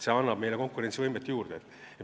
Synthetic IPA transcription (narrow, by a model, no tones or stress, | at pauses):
se̞ɑnːɑb̥me̞jle̞ko̞ŋkːˑuɾe̞ntsivɤjmet̪ːejuːrd̪̥et̪e